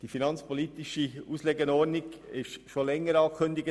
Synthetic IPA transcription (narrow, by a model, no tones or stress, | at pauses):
d̥ifinɑnt͡spolit̪ɪʃiuːsleɡənɔːɾnɪɡɪʃʃolɛŋːəɾɑːkʰɵnd̪ɪɡə